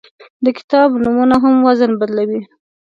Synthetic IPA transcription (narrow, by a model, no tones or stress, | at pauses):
d̪əkɪ̥t̪ɑbnumunaɦamwazənbad̪lawi